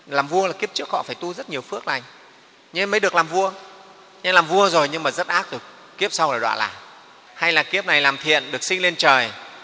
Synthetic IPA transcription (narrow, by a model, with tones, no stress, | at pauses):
laː˨˩mvu˧əlaː˨˩ki˦˥əp̚t͡ɕɨ˦˥ək̚hɔ̰˧˨faː˧˩jt̪u˧zə˦˥t̚ɲi˨˩əwfɨ˦˥ək̚la˨˩jŋ̟ | ɲɛ˧məː˨˦jɗɨ˨˩ək̚laː˨˩mvu˧ə | ɲɛ˧laː˨˩mvu˧əzo˨˩jɲɨ˧ŋmaː˨˩zə˦˥t̚ʔaː˦˥k̚zo˨˩j | ki˦˥əp̚sa˧wlaː˨˩ɗwa̰ː˧˨nla̰ː˨˩ | ha˧jlaː˨˩ki˦˥əp̚na˨˩jlaː˨˩mt̪ʰḭ˧˨ənɗɨ˨˩ək̚sï˧ŋ̟le˧nt͡ɕəː˨˩j